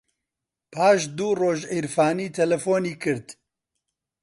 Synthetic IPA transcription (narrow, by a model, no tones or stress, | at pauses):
pʰaːʃd̪uːroːʒeːɾfaːniːt̪ʰɛlɛfoːniːkɨɾt̪